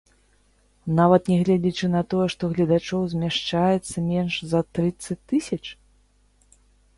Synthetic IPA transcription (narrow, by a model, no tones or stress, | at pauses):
navɐt̪nʲɛɣlʲad͡zʲit͡ʂɨnɐt̪ɔjɛʂt̪ɔɣlʲɐd̪at͡ʂɔwzʲmʲɛʂt͡ʂajɛt̪sːɐmʲɛnʂzɐt̪ɾɨt̪sːɐt͡sʲt̪ɨsʲɐt͡ʂ